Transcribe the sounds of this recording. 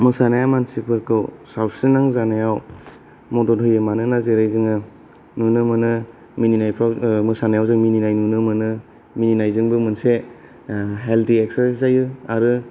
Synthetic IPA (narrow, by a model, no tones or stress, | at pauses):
mɯsanajamansipʰɯɾkʰɯwsawsinaŋzanajaw | mɔdɔnhɯjɯmanɯnazeɾajzɯŋɯ | nunɯmɯnɯ | mininajpʰɾamɯsanajawzɯŋmininajnunɯmɯnɯ | mininajzɯŋbɯmɯnse | ɦeltʰieksazajɯaɾɯ